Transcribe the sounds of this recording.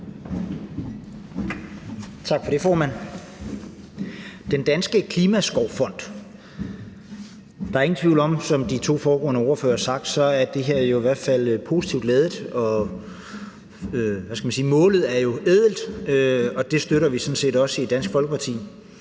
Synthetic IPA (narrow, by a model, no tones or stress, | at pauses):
t͡sʰɑ̈ɡ̥fɒ̽ɾ̥e̝fɒːmæn̰ | d̥end̥ænsɡ̥əkʰliːmæsɡ̥ɒʊ̰fɒ̽n̰d̥ | d̥ɑ̈æɐeŋn̩t͡sʰʋiʊlɒ̽msɒ̽md̥it͡sʰo̝̰ːfɒːɡ̥ɔ̽ːnəɒɐfø̰ːɐsɑ̈ɡ̥d̥sɒ̽æɐd̥e̝ɦeɐ̰æɐjo̝iʋæɐ̰d̥fæl̰pʰo̝si̥t͡sʰiʊ̰d̥lɛːð̞ˠd̩ˠɒ̽ | øʋæsɡ̥æmænsiːmɔ̰̽ːlð̩ˠæɐjo̝ʔeðˠl̩d̥øɒ̽d̥e̝sd̥øɾɐʋisɒ̽n̩se̝ːdɒ̽səidd̥ænsɡ̥fɒ̽lɡ̥əpʰɑ̈t͡sʰḭː